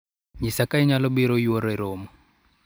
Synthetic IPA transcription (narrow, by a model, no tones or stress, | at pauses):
ɲisakʼaiɲalɔbiɾɔjiwɔɾɔiɾɔːmɔ